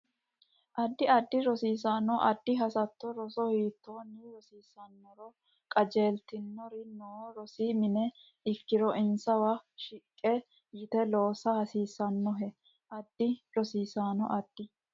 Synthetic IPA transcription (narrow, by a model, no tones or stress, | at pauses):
ʔɐd̪ːɪɐd̪ːɪɾɔsiːsaːnɔʔɐd̪ːɪɦɐsɐt̪ːɔɾɔsɔhiːt̪ːoːnːiɾɔsiːsɐnːɔɾɔ | kʼɐd͡ʒe̞ːlt̪ɪnːɔɾɪnoːɾɔsiːmɪnɛ | ɪkːɪɾɔʔɪnsɐwɐʃɪkʼːɛ | jɪt̪ɛlo̞ːsɐhɐsiːsɐnːɔɦɛ | ʔɐd̪ːɪɾɔsiːsaːnɔ̰ʔɐd̪̥ːɪ